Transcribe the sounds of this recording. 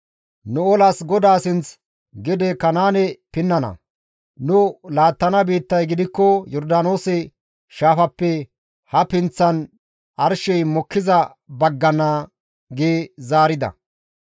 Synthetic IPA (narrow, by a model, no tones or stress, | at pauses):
nʊɔlɐsɡɔd̪aːsɪnt͡s | ɡɛd̪ɛkɐnaːnɛpɪnːɐnɐ̰ | nʊlaːt̪ːɐnɐbiːt̪ːɐjɡɪd̪ɪkːɔjɔɾd̪ano̞ːsɛ | ʃaːfɐpːɛ | hɐpɪnt͡sːɐn | ʔɐɾʃɛjmɔkːɪzɐ | bɐɡːɐna | ɡeːzaːɾɪd̪ɐ̰